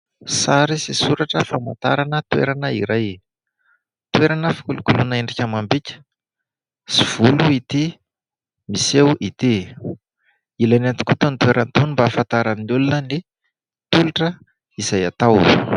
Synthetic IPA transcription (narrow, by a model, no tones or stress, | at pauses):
saɾisisuɾaʈ͡ʂəfama̰nt̪a̰ɾanət̪wḛɾanəḭɾaj | t̪weɾanəfi̥kulukulunaeɳɖ͡ʐikʲamambicʲə̥ | siv̥uluit̪i | misewʔit̪e | ilanant̪i̥kut̪onit̪weɾant̪onimbafant̪aɾanulunəne | t̪uluʈ͡ʂə | iz̥ajat̪aw